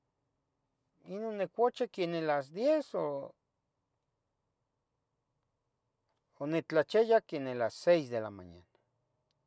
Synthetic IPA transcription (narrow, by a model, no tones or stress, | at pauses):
inonːekʷot͡ʃekenelas̬d̪jeso | onet͡ɬat͡ʃejakenelasejsd̪ela̰ma̰ɲa̰n